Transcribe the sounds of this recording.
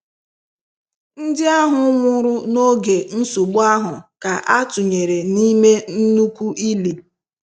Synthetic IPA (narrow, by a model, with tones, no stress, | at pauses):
n̩˦dɪ˦a˦ɦʊ˦ŋʷʊ˦ɾʊ˦no˦ɡe˨n̩˦su˨ɡ͡ba˦ɦʊ˨ka˨ʔa˦tʊ˨ɲe˨ɾe˨ni˦me˦n̩˦nu˦kʷu˦ʔi˦li˨